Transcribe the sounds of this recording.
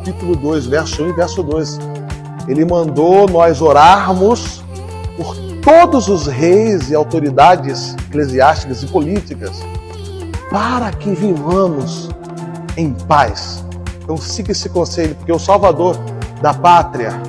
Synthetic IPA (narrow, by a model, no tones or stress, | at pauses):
apit̪ulʊd̪ojzvɛɾsʊũvɛɾsʊd̪ojs | elɪmɐ̃nd̪onɔjzoɾaɾmʊs | pʊɾ | t̪od̪ʊzʊzɦejzɪawt̪oɾid̪ad͡ʒɪzekleziast͡ʃikɐzɪpolit͡ʃikɐs | paɾɐkɪvivɐ̃mʊs | ẽj̃pajs | t̪ɐ̃w̃sĩkɪsɪkõselɪpoɾkɛʊsawvad̪oɾd̪ɐpat̪ɾiɐ̰